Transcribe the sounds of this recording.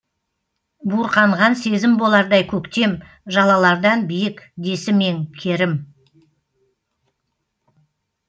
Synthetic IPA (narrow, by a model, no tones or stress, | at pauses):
buɾqɑɴʁɑnse̞zɪmbo̞lˠɑɾd̪ɑjkʲʰɵkt̪e̞m | ʒɑlˠɑlˠɑɾd̪ɑnbijɪkd̪e̞sɪme̞ŋkʲʰe̞ɾɪm